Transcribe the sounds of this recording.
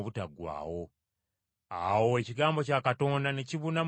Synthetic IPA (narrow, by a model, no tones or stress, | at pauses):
βutaɡwa̰ːwo̞ | awo̞eciɡaːmbo̞caːkato̞ːndane̞ciβuna